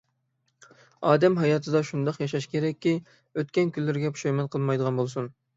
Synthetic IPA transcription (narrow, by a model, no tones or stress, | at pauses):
ɑːd̪ɛmɦɑjɑːt̪ʰɨd̪ɑʃund̪ɑqjɑʃɑʃkʲʰeɾɛkʲːi | øt̪̚kʲɛnkʲʰylːɪɾɪɡʲɛpʰʃɑjmɛnqʰəlˠmɑjd̪əʁɑnbolˠsun